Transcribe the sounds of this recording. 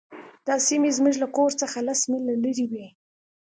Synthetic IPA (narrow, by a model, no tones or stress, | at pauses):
d̪̥ɑsimezmuʒlakoɾt͡səxalasmilaləɾiwi